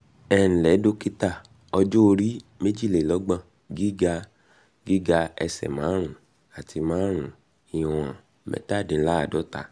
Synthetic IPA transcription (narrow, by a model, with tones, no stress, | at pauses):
ɛ˦ñ̩˨lɛ˨˦do˧˦ki˦ta˦˨ | ɔ˧d͡ʒo˦o˧ɾi˦me˦d͡ʒi˦˨le˨lɔ˨˦ɡ͡bã˧˨ | ɡi˦ɡa˧ | ɡi˦ɡa˧ɛ̰˧sɛ̰˨mãː˨˦ɾ̃ũ˨˦ | a˨ti˧mãː˨˦ɾ̃ũ˨˦ | i˨wɔ̃˨ã̰˨ | mɛ̰˦ta˦˨de˨˧˦la˦a˨dɔ˨˦ta˧˦